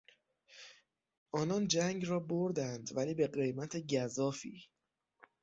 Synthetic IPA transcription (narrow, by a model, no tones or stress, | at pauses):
ʔɒːnɒːnd͡ʒæŋɡrɒːboɾd̪ænd̪væliːbe̞ɢe̞jmæt̪ʰeɟæzɒːfḭː